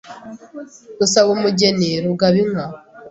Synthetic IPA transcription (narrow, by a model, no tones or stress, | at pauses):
usaβumuɟeneɾuɡaβiŋa